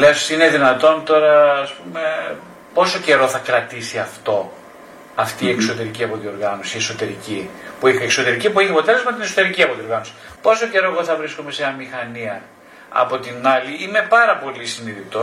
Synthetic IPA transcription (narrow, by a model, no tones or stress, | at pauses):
lesine̞ðinɐt̪o̞nt̪o̞ɾɐːspume̞ | po̞so̞ce̞ɾo̞θɐkɾɐt̪isiɐft̪o̞ | ɐft̪iːe̞kso̞t̪e̞ɾiciɐpo̞t̪io̞ɾɣɐno̞sie̞so̞t̪e̞ɾicipuixekso̞t̪e̞ɾicip̬ueçeɐpo̞t̪e̞le̞zmɐt̪ineso̞t̪e̞ɾiciɐpot̪io̞ɾɣɐnosi̥ | po̞so̞ce̞ɾo̞e̞ɣo̞θɐvɾiskome̞seɐmixɐniɐ | ɐ̰po̞t̪inɐliime̞pɐɾɐpo̞lisiniðit̪o̞